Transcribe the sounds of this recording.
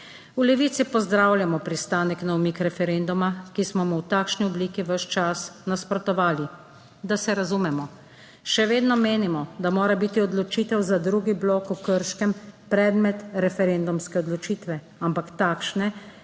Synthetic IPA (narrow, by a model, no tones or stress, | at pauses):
ulɛʋiːt̪sipɔzd̪ɾawljamɔpɾist̪aːnɛknawmiːkɾɛfɛɾend̪umakismɔmuwt̪aːkʃniɔbliːkiʋəʃt͡ʃasnaspɾɔt̪ɔʋaːli | d̪asɛɾazuːmɛmɔ | ʃɛʋeːd̪nɔmeːnimɔd̪amoːɾabit̪iɔd̪lɔt͡ʃiːt̪ɛwzad̪ɾuːɡibloːkukəɾʃkɛmpɾɛːd̪mɛt̪ɾɛfɛɾend̪umskɛɔd̪lɔt͡ʃiːt̪ʋɛ | ampakt̪aːkʃnɛ